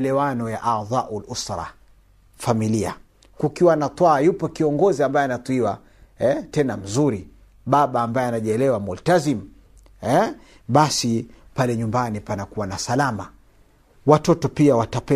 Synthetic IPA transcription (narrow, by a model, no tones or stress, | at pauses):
lɛwanɔjaʔaðˤɑːʔulʔusɾɑ̰ | familia̰ | kukiwanat̪ˤwaːjupɔkiɔŋɡɔziambajɛanat̪ˤwiwa | ɛtɛnam̩zuɾi | ɓaɓaːmbajɛanaʄiɛlɛwamultazim | ɛ | ɓasipalɛɲumbanipanakuwanasalama | watɔtɔpiawatapɛ